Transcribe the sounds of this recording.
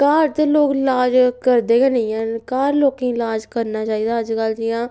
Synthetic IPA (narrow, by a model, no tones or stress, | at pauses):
kaːɾt̪eːloːklaːd͡ʒkəɾd̪eːɡeːnɪãːkaːɾloːkĩːlaːd͡ʒkəɾnaːt͡ʃaːiːd̪aːd͡ʒkəld̪ɪjãː